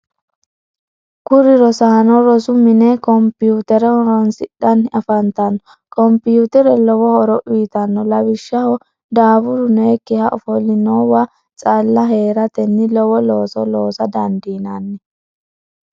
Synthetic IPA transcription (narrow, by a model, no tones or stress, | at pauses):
kʊɾɪɾɔsɐnɔɾɔsʊmɪnɛkɔmpɪjuːt̪ɛɾɛhɔɾɔnsɪɗɐnɐfɐnt̪ɐnːɔ | kɔmpɪjuːt̪ɛɾɛlɔwɔhɔɾɔʔwiːt̪ɐnːɔlɐwɪʃːɐhɔ | d̪aːbʊɾʊneːkːɪhɐʔɔfɔlɪnoːwa | t͡sʼɐlːɐɦe̞ːɾɐt̪ɛnːɪlɔwɔloːsɔloːsɐd̪ɐnd̪iːnɐnːɛ